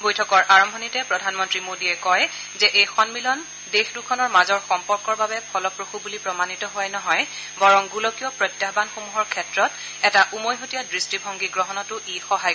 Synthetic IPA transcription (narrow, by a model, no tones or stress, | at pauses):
bojtʰɔkɔɹʔaɹɔmbʱɔnitɛpɹɔdʱanmɔntɹimodiɛkɔj | zɛʔejxɔnmilɔn | dexdukʰɔnɔɹmazɔɹxɔmpɔɹkɔɹbabɛpʰɔlɔpɹoxubulipɹɔmanitɔɦʊwajnɔɦɔj | bɔɹɔŋɡulɔkijɔpɹɔjtjaɦbanxomuɦɔɹkʰɛtɹɔt | ɛtaʔumojɦotijadɹistibʱɔŋɡiɡɹɔɦɔnɔtʊʔixɔɦaj